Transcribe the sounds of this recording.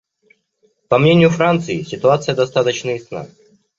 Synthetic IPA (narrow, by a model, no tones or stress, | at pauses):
pɐmnʲenʲɪjʊfɾant̪sɨɪsʲɪt̪ʊat̪sɨjəd̪ɐst̪at̪ət͡ɕnəɪsna̰